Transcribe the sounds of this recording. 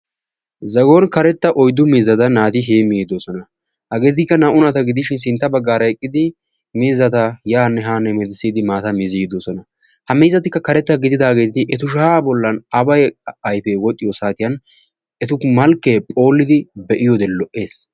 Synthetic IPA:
zɐɡoːnkɐɾɛt̪ːɐʔɔjd̪ːʊmiːzɐt̪ɐnaːt̪ɪɦeːmiːd̪oːsɔnɐ | hɐɡe̞ːt̪̬ɪkːɐnɐʔʊnɐt̪ɐɡɪd̪ɪʃɪns̬ɪnt̪ːɐbɐɡːaːɾɐɛkʼːɪd̪ɪ | miːzːɐt̪ɐjaːnːɛɦaːnːɛmɛd̪ɪsːiːd̪ɪmaːt̪ɐmɪzɪɡɪd̪oːsɔnɐ | hɐmiːzːɐt̪ɪkːɐkɐɾɛt̪ːɐɡɪd̪ɪd̪aːɡe̞ːt̪ɪʔɛt̪ʊʃ̬aːbɔlːɐnɐbɐjɐjpeːwɔt̪ʼːɪjɔsaːt̪ɪjɐn | ʔɛt̪ʊmɐlkːeːpʼo̞ːlːɪd̪ɪbɛʔɪjɔd̪ɛlːɔʔe̞ːs

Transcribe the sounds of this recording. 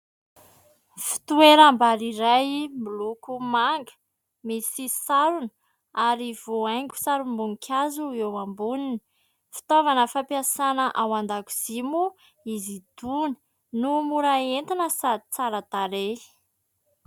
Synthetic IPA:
fi̥t̪ueɾambaɾiɾajmulukumaŋɡə̥ | misisaɾunə | aɾiv̥oajŋɡʲu̥saɾumbuŋkʰʲazuewambunini̥ | fi̥t̪ovanəfapiasanəʔawand̪aku̥z̥imu | izid̪̥uni̥ | numuɾaent̪inəsad̪it͡saɾət̪aɾe

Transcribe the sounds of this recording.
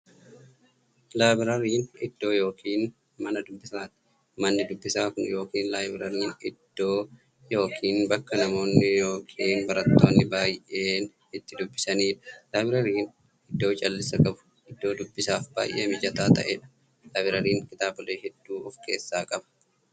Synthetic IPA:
laːbɪɾɐɾiːnɪd̪̥ːo̞ːjo̞ːkʰiːn | mɐnɐd̪ʊbːɪsaːt̪ɪ̥ | mɐnːɪd̪ʊbːɪsaːkʊnjo̞ːkiːnlaːjbɪɾɐɾiːnɪd̪̥ːoː | jo̞ːkʰiːnbɐkːɐnɐmo̞ːnːɪjo̞ːkʰiːnbɐɾɐt̪ːo̞ːnːɪbaːjʔe̞ːn | ɪt̪ːɪd̪ʊbːɪsɐniːᶑɐ̥laːbɪɾɐɾiːn | ɪd̪ːoːt͡ʃʼɐlːɪsɐkʼɐbʊ̥ | ɪd̪ːo̞ːd̪ʊbːɪsaːfb̥a̰ːjʔeːmɪd͡ʒɐt̪aːt̪ɐʔeːᶑɐ̥ | laːbɪɾɐɾiːŋkɪt̪aːbʊleːɦɛd̪̥ːuːɔfkʰe̞ːsːaːkʼɐbɐ̥

